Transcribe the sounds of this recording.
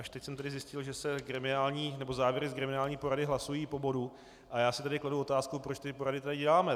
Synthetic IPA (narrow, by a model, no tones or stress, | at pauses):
ʔaʃt̪ɛcsɛmt̪adɪzjɪscɪlʒɛsɛɡɾɛmɪnaːlɲiːnɛbo̞zaːvjɛɾɪzɡɾɛmɪnaːlɲiːpo̞ɾadɪɦlasujiːpo̞bo̞du | ʔajaːsɪt̪adɪkladuo̞t̪aːskupɾot͡ʃt̪ɪpo̞ɾadɪt̪adɪɟɛlaːmɛ